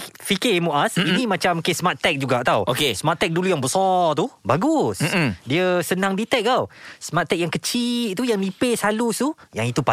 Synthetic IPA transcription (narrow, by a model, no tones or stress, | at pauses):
fikemuʔasinimat͡ʃamkesmat̪ɛk̚d͡ʒuɡaʔt̪awokesmat̪ɛk̚dulujaŋbəsɔt̪ubaɡusdiəsənãŋdit̪ɛk̚t̪awsəmat̪ːɛk̚jaŋkət͡ʃit̪ujaŋlipesalusujaŋit̪upa